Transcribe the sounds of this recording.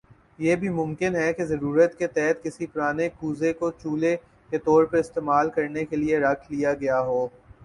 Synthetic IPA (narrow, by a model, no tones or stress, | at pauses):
jeːbʱimʊ̃mkɪnɦɛkezɐɾuːɾət̪ket̪ɛɦt̪kɪsipʊɾaːnekuːzekot͡ʃuːle | ket̪ɔːɾpɐɾɪst̪eːmaːlkɐɾnekelieɾɐkʰlijaɡɐjaɦoː